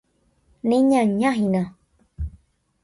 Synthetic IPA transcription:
nĩɲãɲãɦinã

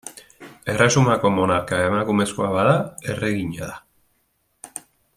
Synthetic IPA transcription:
e̞rasumako̞mo̞naɾkaemakume̞skoaβaðae̞reɣiɲaða

